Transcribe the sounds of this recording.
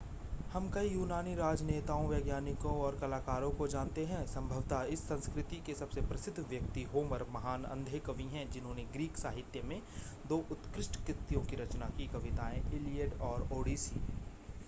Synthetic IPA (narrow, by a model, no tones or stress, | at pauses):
hɐmkɐijuːnaːniɾaːd͡ʒneːt̪aːõʋjeːɡjaːnɪkõɔːɾkɐlaːkaːɾõkod͡ʒaːnt̪eɦɛ̃sɐ̃mbʱəʋt̪aɪsːɐ̃nskɾɪt̪ikesɐbsepɾɐsɪd̪ʱːʋjɐk̚t̪iɦoːməɾmɐɦaːnɐ̰̃nd̪ʱekəʋĩɦɛ̃d͡ʒɪnɦõːneɡɾiːksaːɦɪt̪jəmẽ | d̪oːʔʊt̪kɾɪʃʈkɾɪt̪ːjõkiɾɐt͡ʃnakikɐʋɪt̪aːẽɪlijəɖɔːɾoːɖiːsḭː